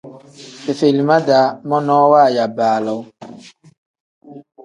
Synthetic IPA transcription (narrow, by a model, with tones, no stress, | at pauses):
fe˨fe˨li˨ma˦da˨˦mɔ˦nɔː˦waː˦˨ja˨baː˨lɔ˨w